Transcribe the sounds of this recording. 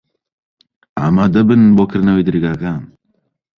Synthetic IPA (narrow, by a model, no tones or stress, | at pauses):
a̰mad̪ɐbənbokɾnɐwid̪ɾiɡakam